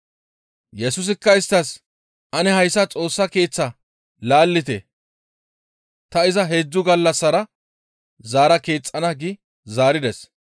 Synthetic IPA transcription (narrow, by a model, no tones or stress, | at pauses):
jɛsʊs̬ɪkːɐɪst̪ːɐs | ʔɐnɛɦɐjsːɐt͡sʼo̞ːsːɐke̞ːt͡sːɐ | laːlːɪt̪ḛ | t̪ɐɪzɐɦe̞ːd͡zːʊɡɐlːɐsːɐɾɐ | zaːɾɐke̞ːt͡sʼːɐnɐɡɪ | zaːɾɪd̪ɛs